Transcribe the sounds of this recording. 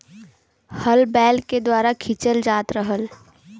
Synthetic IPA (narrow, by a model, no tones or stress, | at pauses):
həlbɛːlked̪waːɾakʰit͡ʃəld͡ʒaːt̪ɾəɦəl